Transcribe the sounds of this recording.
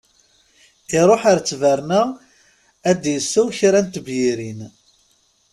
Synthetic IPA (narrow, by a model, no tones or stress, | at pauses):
ɪɾˤoħaɾt͡sːvəɾnæ | æd̪jəsːæwçɾænt̪əbjiɾin